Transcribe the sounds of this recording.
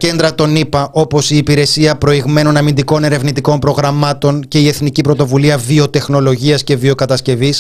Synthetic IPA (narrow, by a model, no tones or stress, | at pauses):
ce̞nd̪ɾɐt̪o̞nipɐʔo̞po̞siːpiɾe̞siɐpɾo̞iɣme̞no̞nɐmind̪iko̞ne̞ɾe̞vnit̪iko̞mpɾo̞ɣɾɐmɐt̪o̞ɲce̞ie̞θnicipɾo̞t̪o̞vuliɐvio̞t̪e̞xno̞lo̞ʝiɐsce̞vio̞kɐt̪ɐsce̞vis